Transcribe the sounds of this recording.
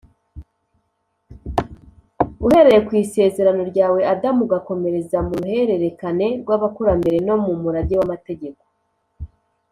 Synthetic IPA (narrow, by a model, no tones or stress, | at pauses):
uhe̞ɾe̞ɾekwiːse̞ːzeɾano̞ɾɟaːwe̞adamuɡako̞me̞ɾe̞zamuɾuhe̞ɾe̞ɾe̞kane̞ɾɡwaβakuɾambe̞ɾe̞no̞mumuɾaɟewamate̞ɟe̞ko̞̥